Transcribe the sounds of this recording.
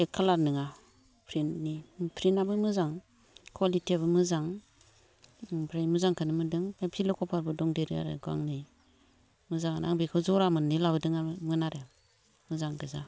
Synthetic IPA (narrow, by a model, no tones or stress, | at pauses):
ekʰːalaɾnɯŋa | pʰɾinnipʰɾinabɯmɯzaŋ | kʰwalitʰiabɯmɯzaŋ | pʰɾajmɯzaŋkʰɯnɯmɯdɯŋapʰilɔkʰɔpʰaɾbɯdɔŋdeɾia̰ɾɯ̰ɡa̰ŋnɯj | mɯzaŋanaŋbikʰɯzɔɾamɯnːilabɯdɯŋamɯnaɾe | mɯzaŋɡɯza